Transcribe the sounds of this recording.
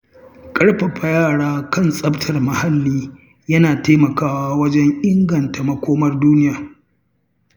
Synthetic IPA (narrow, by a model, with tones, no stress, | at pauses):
kʼɐ˦ɽɸa˨ɸʰa˨jaː˦˨ɽaː˦kɐ˦˨nsʼɐ˦btʰɐ˨rmɐ˨ha˦lːiː˦ | jɐ˦naː˨ta˦mɐ˨kaː˦waː˦wɐ˦d͡ʒɛ˦ŋʔɪ˦ŋɡɐ˨nta˨mɐ˦kʷoː˦mɐ˦rduː˦nɪ˦jaː˨